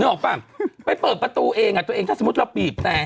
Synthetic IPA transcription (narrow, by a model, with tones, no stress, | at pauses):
ŋɯ˧˥ʔɔː˨˩k̚pa˧˩mpa˧jpɤː˨˩t̪̚pɾa˧t̪uː˧ʔeː˧ŋʔa˨˩t̪ʔːŋʰaː˥˩so˧˦˥t̪̚la˧piː˨˩p̚t̪ɛː˨˩